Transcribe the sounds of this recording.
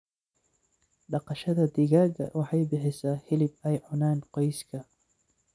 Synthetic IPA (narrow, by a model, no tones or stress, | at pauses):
ɖɑqɑʃɐðɐd̪ɪɣaːɣɐ̰wʔɑħɑjbɪħɪsɐːhɪlɪb̚ɛjʕʊnaːnqɔjskʰɐ